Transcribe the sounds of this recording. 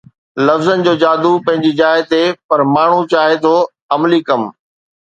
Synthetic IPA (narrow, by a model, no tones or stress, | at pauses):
lɐfzənɪ̆d͡ʑoːd͡ʑaːd̪upɐ̃ɦɪ̃ɲd͡ʑid͡ʑaːɪt̪epɐɾmaːɳ̤ut͡ɕaːɦet̪ʰoː | ɐmliːkɐm